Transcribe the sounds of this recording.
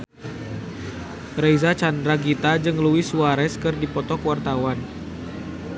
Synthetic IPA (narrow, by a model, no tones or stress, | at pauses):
rejzat͡ʃandɾaɡit̪ad͡ʒɨŋluɪsuaɾɛskɨrdipɔt̪ɔkwart̪awan